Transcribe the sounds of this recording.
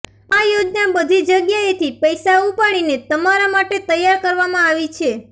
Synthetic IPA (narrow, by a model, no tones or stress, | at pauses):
ajod͡ʒnabəd̪ʱid͡ʒəɡjaet̪ʰipəjsaupaɽ̃inet̪əmaɾamaʈet̪əjːaɾkəɾʋamãaʋit͡ʃʰe